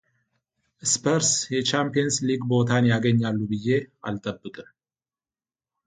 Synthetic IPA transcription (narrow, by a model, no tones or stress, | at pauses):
ʔɨspʰəɾsjɛt͡ʃampijɛnsliɡbo̞t̪ʰanjaɡəɲːalːubɨjːe̞a̰lt̪ʼəbːɨkʼɨm